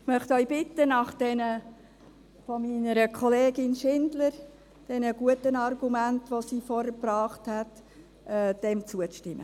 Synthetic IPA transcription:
mœχtœʏbɪtənɑχd̥ɛnə | fɔminəɾəkʰɔleːɡɪnʃɪndləɾ | d̥ɛnəɡuətənɑrɡumæntʋosiːfɔɾəpɾɑːχthæt | ʔɛːd̥ɛmt͡suət͡sʃtɪmːə

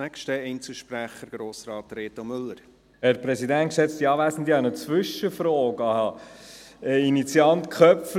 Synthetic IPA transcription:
ækʃtəɛɪnt͡səl̩ʃpɾæχəɾɡ̥ɾoːsɾɑːt̪ɾeːt̪omʏlːəɾ | hæɾpɾɛsid̪ænt̚kʃɛt͡st̪iɑːvæsn̩d̪iɑnət͡svʏʃəfɾɔːɡɑhɑ | ɛinit͡siɑntkʰœpf

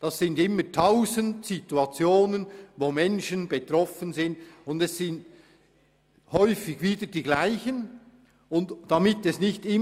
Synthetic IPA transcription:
d̥ɑsːɪndɪmːətʰaʊzəntsituɑt͡sjoːnənvoːmɛnʃənbetɾɔfənzɪntʊndɛssɪnt | hɔʏfɪçviːdədiːɡlaɪçən | ʊntd̥ɑmɪtɛsnɪçtɪ

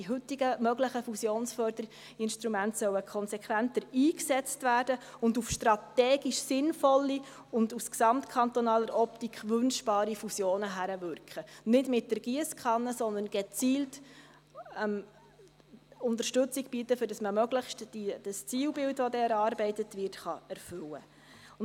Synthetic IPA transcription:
iɦʏtːiɡəmœɡləχəfusjoːnsfœːrdəɾi | ɪnʃtɾumæntsœwəkʰχɔnsɛkʰʋæntəɾiːksɛt͡stvæːrd̥əʊndufʃtɾɑt̪ɛːɡiʃsɪnfɔlːi | ʊndusksɑmtkʰɑnt̪ɔnɑːləɾʔɔptikχʋʏnʃb̥ɑːɾifusjoːnəɦæɾəvʏrkχənɪdmɪt̚dəɾɡ̥iəskχɑnːəsɔnd̪ənɡ̥ɛt͡siːlt | m | ʊnt̪əɾʃtʉt͡siɡ̥bitəfʏɾd̥ɑsməmœɡ̥ləχʃtd̥id̥əst͡siːwbɪltʋodɛɛɾɑːɾbɛɪtətʋɪrtχɑɛɾfʏwə

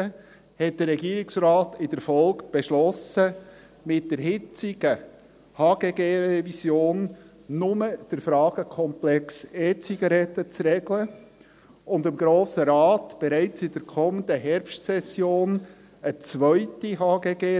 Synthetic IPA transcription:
ə | hɛt̚d̥əɾrɛɡiːɾɪksrɑːtɪd̥əɾfɔlˠkb̥eɛʃlɔsə | mɪt̚d̥əɾɦɪt͡sɪɡə | hɑːɡ̥eːɡeːɾɛvisjoːnː | ʊməd̥əɾfɾɑːɡ̥əkʰɔmplɛkseːt͡siɡɑɾɛtːət͡srɛɡlə | ʊndɪmɡɾoːsəɾɑːtb̥ɛɾæɪt͡sɪd̥əɾkʰɔməndəɦɛɾpʃtsɛsjoːn | ət͡sʋœʏtiɦɑːɡeːɡeː

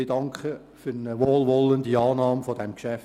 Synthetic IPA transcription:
ɪdɑŋkχə | fynəʋoːlʋɔləndiɑːnɑːmfɔdɛmkʃæf

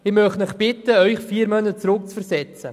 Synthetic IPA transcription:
ɪmœχtnɪχb̥ɪt̪əœʏχfiːɾmœnət͡sɾʊk̚t͡sfəɾsɛt͡sə̰

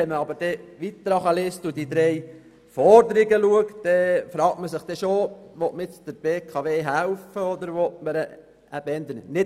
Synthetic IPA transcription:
ɛməɑbəɾd̥ɛʋit̪ːɾɑχəlɪstudid̪ɾɛj | fɔɾd̪əɾiɡəluəktd̥ɛfɾɑːk̚tməsɪχd̥̪ɛʃoʋɔtməɪt͡sd̥̪əɾb̥eːkʰɑʋeːɦælfəɔd̪əɾʋɔt̚məɾ | æbɛnd̪ənnɪ

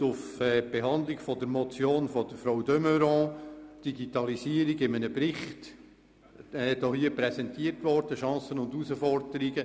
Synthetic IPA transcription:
ʊfɛːb̥eɦɑnd̪lɪɡfɔdəɾmɔt͡sjoːnfɔd̥əɾfɾawdœmøɾɑ̃d̥iɡitɑlisiəɾiɡɪmənəprɪχt | ɛdohiəpɾɛsɛntiərtʋɔrd̥əʃɑ̃ːsənʊndusəfɔrdəɾiɡə

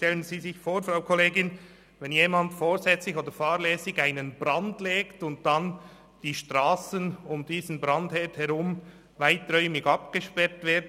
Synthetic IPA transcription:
ʃtɛlənziːzɪçfoːɾfraʊkʰɔleːɡɪn | vɛnjeːmɑndfoːzɛt͡slɪçoːdəɾfaːɾlɛːsɪçaɪnənbɾɑndleːktʊnt̚d̥an | d̥iːʃtʁaːsənʊmdiːzn̩bʁɑndhɛthɛɾʊm | vaɪtrœʏmɪɡɑpɡ̥əʃpɛɾtv̥ɪːdn

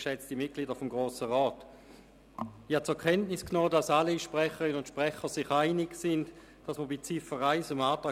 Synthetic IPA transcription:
ʃɛt͡stimɪt̚ɡ̥liːdəfʊmɡʁoːsəʁɔːt | hat͡sʊɐkʰɛntnisknɔːdasaliʃpʁɛχəʁinʊntʃpʁɛχəsiχaɪnɪɡsɪnd | d̥asməbit͡sifəʁaɪsəmaːtʁaː

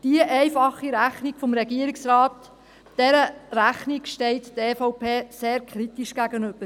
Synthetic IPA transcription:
d̥iəʔɛɪfɑχːiɾæχniɡ̥fɔmɾɛɡiəɾiksɾɑːt | d̥ɛɾəɾæχnikʃtɛɪttɛːfoʊpʰeːseːɾkʰχɾitiʃɡ̥æɡənɵb̥əɾ

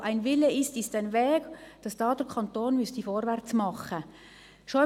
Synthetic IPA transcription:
ʔaɪnvɪləɪstɪstɛnʋɛːɡ̥d̥ɑsd̥ɑːd̥əɾkʰɑnt̪oːnmystifɔːɾʋɛɾt͡smɑχə | ʃɔ

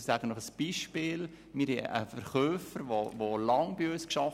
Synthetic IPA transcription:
sæɡ̥ənɔχəsb̥iːʃpɪːl | mɪːɾhɛ̰ə̰fəɾχøːfəɾʋovolɑŋbiøskʃɑf

